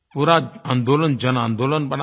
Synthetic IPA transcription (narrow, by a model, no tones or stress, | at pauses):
puɾaːand̪oːlɐnd͡ʒɐnaːnd̪oːlɐnbɐn